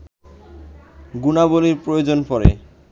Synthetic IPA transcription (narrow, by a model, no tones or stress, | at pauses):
ɡunaboliɾpɾojod͡ʑonpɔɾḛ